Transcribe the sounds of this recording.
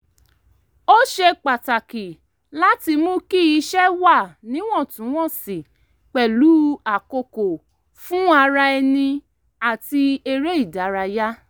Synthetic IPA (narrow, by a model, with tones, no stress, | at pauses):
o˦ʃe˧k͡pa˨ta˨ki˨ | la˦ti˧mũ˦ki˦i˧˦ʃɛ˦wa˦˨nĩ˨˦w̃ɔ̃˦˨tũ˨˦w̃ɔ̃˦˨si˨ | k͡pɛ˨lu˨˦a˨ko˧ko˨ | fũ˦a˧ɾa˧ɛ˧nĩ˧ | a˨ti˧e˧ɾe˦i˦˨da˨˦ɾa˧ja˦